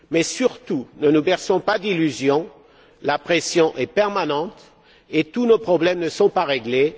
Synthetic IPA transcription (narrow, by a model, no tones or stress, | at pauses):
mɛsyʁt̪unənubɛʁsɔ̃pad̪ilyzjɔ̃ | lapχesjɔ̃ʔɛpɛʁmanɑ̃t̪ | et̪unopχɔblɛmnəsɔ̃paʁeɡle